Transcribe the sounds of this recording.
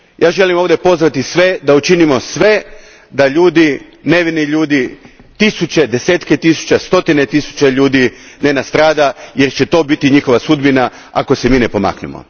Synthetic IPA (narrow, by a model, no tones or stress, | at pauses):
jʔaːʒe̞limoʋd̪e̞po̞zʋat̪isʋe̞d̪aut͡ʃinimo̞sʋe̞ | d̪aʎuːd̪ine̞ʋiniʎuːd̪i | t̪isut͡ɕe̞d̪e̞seːt̪ket̪isu̥t͡ɕast̪o̞t̪ine̞t̪isu̥t͡ɕeʎuːd̪inenast̪ɾaːd̪ajeɾt͡ɕet̪o̞ːbit̪iɲixo̞ʋasud̪bina | a̰ko̞semiːnepo̞ma̰knḛmo̰